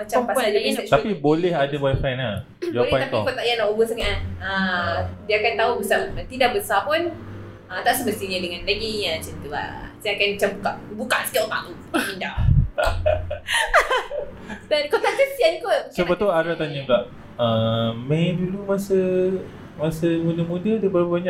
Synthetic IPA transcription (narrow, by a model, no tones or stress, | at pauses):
mat͡ʃampaad͡ʒait̪apibolɛɦadabajafana | d͡ʒalpaap̪iɔkɔt̪aʔjanaʔubəsəŋaədiaakant̪aubəsat̪idaʔbəsapʊn | ət̪aʔsəbəst̪iɲadəŋanlaɡiɲãt͡ʃənt̪ua̰siakanmat͡ʃambukaʔbukaʔsə̥kiot̪a̰lu | inda | dankɔt̪aʔkəsiankosəat̪uaɾat̪aɲuɡaʔ | əmedulumasə | masəmudəmudədəbəɾapəbaɲa